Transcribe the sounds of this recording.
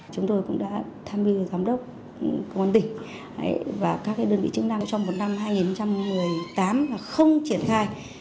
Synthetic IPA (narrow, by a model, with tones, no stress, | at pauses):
t͡ɕʊ˨˦ŋ͡mt̪o˧jkʊ̰˧˥ŋ͡mɗa̰ː˧˥t̪ʰaː˧mvi˧zaː˨˦mɗə˦˥k͡p̚ | kə˧wʔə˧nt̪ï˩ŋ̟̰˨˦ | vaː˨˩kaː˦˥k̚ːaː˨˦jɗəː˧nvḭ˧˨t͡ɕɨ˨˧˦ŋnaː˧ŋ˧˥t͡ɕɔ˧wŋ͡mmo˨˩t̚na˧mɦaː˧jŋi˨˩nxə˧ŋ͡mt͡ɕa˧mːɨ˨˩əjt̪aː˨˦mlaː˨˩xə˧wŋ͡mt͡ɕi˧˩ənxaː˧j